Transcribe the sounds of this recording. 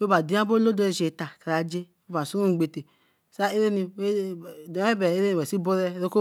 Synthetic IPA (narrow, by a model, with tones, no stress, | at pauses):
we˦ba˨di˦a˦bo˦lo˦do˦e˨ʃe˨ta˨ka˨ɾa˨d͡ʒe˦e˦ba˨su˦ɾu˦˨ɡ͡be˨te˨ | sa˦e˦ɾe˦ni˨we˦˨dɛ˦bɛ˨e˦ɾe˦nĩ˨ɛ˨si˦bo˦ɾɛ˦ɾo˦ko˦